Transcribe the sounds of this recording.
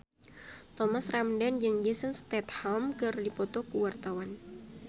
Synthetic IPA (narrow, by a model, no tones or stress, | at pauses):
t̪ɔmasramdand͡ʒəŋd͡ʒesənst̪ɛt̪hɔlmkɨrdipɔt̪ɔkuwart̪awan